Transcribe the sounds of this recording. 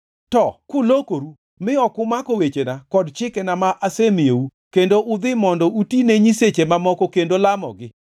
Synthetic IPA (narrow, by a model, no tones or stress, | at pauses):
tɔkʊlokoɾu | mɪɔkʊmakowet͡ʃenakɔdt͡ʃɪkɛnamaʔasemieukendoʔʊd̪ɪmɔndɔutineɲiset͡ʃemamɔkɔkendolamɔ̰ɡɪ